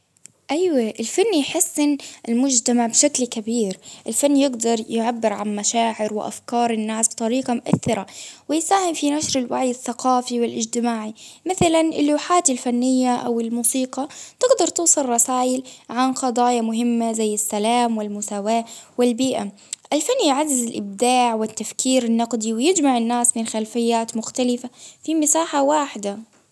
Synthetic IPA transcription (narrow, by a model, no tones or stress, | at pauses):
ʔajwaʔɪlfanːjħɪsːɪnʔɪlmʊd͡ʒt̪amaʕbʃaklkabiːɾʔɪlfanːjɪɡd̪ɑɾˤjʕabːɪɾʕanmaʃaːʕɪɾwɪ̰ʔa̰fkɑːɾˤɪnːaːsbt̪ˤɑɾiːqɑmʊʔaθːɪɾawɪjsaːhɪmfinaʃɾɪlwaʕjɪθːaqɑːfiwɪlʔɪd͡ʒt̪ɪmaːʕimɪθalanʔɪ̰lːaːħaːt̪ɪlfanːɪjːaʔa̰wɪlmuːsiːqɑt̪ɪɡd̪ɑɾˤt̪uːsˤɨlˤːɑsaːʔɪlʕanqɑd̪ˤɑːjɑmʊɦɪmːazajːɪsːalaːmwɪlmʊsaːwaːwɪlbiːʔa | ʔɪlfanːjʕazːɪzɪlʔɪb̚d̪aːʕwɪt̪ːafkʰiːɾɪnːɑqd̪iwɪjɪd͡ʒmaʕɪnːaːsmɪnxalfɪjːaːt̪mʊxt̪alɪfafimɪsaːħawaːħɪd̪a